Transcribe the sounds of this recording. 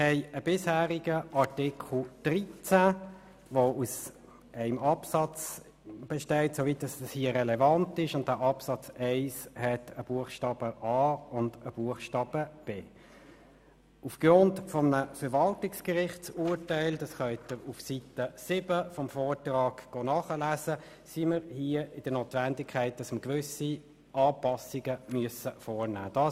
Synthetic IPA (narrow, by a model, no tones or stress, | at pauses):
hɛɪəb̥ɪshæːʁiɡəʔɑtɪkʰl̩d̥ʁit͡sæ | ʋous | ʔæɪmɑpsɑt͡s | b̥ɛʃtɛɪtsovit̚dɑsɑshiːəʁɛlɛvɑntɪʃʊnt̚d̥æːʔɑpsɑt͡sæɪshɛtʰəb̥uəχʃtɑːb̥əʔɑːʊnd̥əb̥uəχʃtɑːb̥əb̥eː | ʔufɡ̥ʁʊntfɔmənəfəɾʋɑltɪkskəʁɪχtsuːɾtæɪldɑsχœʏt̪əʁufsitəsɪbəfɔmfɔːtʁɑːɡ̥ɡ̥oːnɑːχəlæːzə | siməɾhiːəɪd̥ənoːt̪vændɪkʰæɪt̚d̥ɑsməɡʋʏsi | ʔɑːpɑsiɡ̥əmyəsəfɔːɾnæ̰ːd̥ɑː